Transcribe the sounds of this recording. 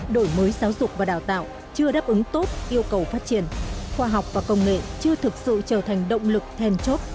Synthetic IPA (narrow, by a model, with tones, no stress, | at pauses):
ɗo˧˩jməː˨˦jzaː˨˦wzʊ˨˩k͡p̚vaː˨˩ɗaː˧˩wt̪a̰ː˧˨w | t͡ɕɨ˧əɗaː˦˥p̚ʔɨ˨˦ŋt̪o˦˥t̚ʔi˧əwkə˨˩wfaː˦˥t̚t͡ɕi˧˩ənxwaː˧ɦa˨˩wk͡p̚vaː˨˩kə˧wŋ͡mŋḛ˧˨t͡ɕɨ˧ət̪ʰɨ˨˩k̚sɨ̰˧˨t͡ɕəː˧˩t̪ʰa˨˩jŋ̟ɗə̰˧˨wŋ͡mlɨ˨˩k̚t̪ʰɛ˧nt͡ɕo˦˥t̚